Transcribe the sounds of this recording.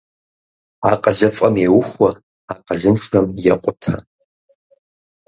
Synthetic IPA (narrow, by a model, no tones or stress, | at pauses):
aqʼɐɮɐfʼɐmewʊχʷɐ | aqʼɐʒɪnʂʰɐmjɛqʷʼʊtʰa̰